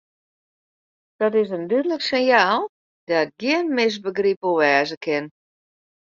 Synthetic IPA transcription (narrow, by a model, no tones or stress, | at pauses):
d̥ɔtɪs̬əndydələksɪnjaːlˠ | dat̚ɡjɪənmɪs̬bəɡripəʋɛːzəkʰɪn